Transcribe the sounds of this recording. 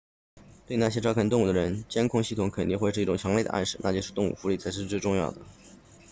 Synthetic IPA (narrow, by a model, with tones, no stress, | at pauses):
t̪we˥˧ɪna˥˩ɕ̬jɛ˥ʈ͡ʂɑ˥ʊkʰa˥nt̪ʊ˥˧ŋu˥˩d̪ə˧ɻə˧˥nt͡ɕjɛ˥nkʰʊ˥˧ŋɕi˥˩t̪ʰʊ˨˥ŋkʰə˨˩ni˥˧xwe˥˧ʂɻ̩˥˧i˥˩ʈ͡ʂʊ˨˩ŋt͡ɕʰjɑ˧˥ŋle˥˩ɪə̰˦ʔa̰˥˧nʂɻ̩˥˩na̰˥˩t͡ɕjɛ˥ʂɻ̩˥˧t̪ʊ˥˧ŋṵ˨˥˩fu˧˥li˥˩t͡sʰa˧˥ɪʂ̬ɻ̩˥˧ʈ͡ʂɻ̩˥˧ʈ͡ʂʊ˥˧ŋjɑ˥˩ʊd̪ə˩